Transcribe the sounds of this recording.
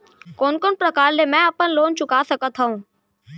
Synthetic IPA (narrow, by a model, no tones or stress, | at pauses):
koːnkoːnpɾəkaːɾlemɛ̃ɐpənloːnt͡ʃʊkaːsəkət̪ɦəũː